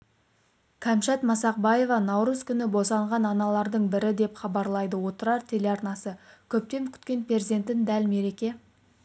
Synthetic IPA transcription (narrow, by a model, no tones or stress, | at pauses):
kʲʰæmʃɑt̪mɑsɑq̚bɑje̞vɑnɑwɾuzkʲʰʏnɪbo̞sɑɴʁɑnɑnɑlˠɑɾd̪əɴbɪɾɪd̪e̞pχɑbɑɾlˠɑjd̪əwo̞t̪əɾɑɾt̪ʰe̞leɑɾnɑsəkʲʰɵp̚t̪e̞mkʲʰʏ̥t̪kʲe̞npʲʰezd̪e̞nt̪ːɪnd̪ælme̞ɾe̞kʲe̞